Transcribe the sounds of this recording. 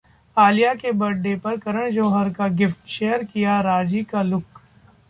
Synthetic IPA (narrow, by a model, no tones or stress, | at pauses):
aːlijakebɐɖːepɐɾkɐɾəɽ̃d͡ʒoːɦəɾkaɡɪfʈʃeːəɾkijaɾaːd͡ʒikalʊk